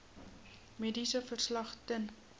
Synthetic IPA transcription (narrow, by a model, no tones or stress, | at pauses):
meːdisəfərslɐχtən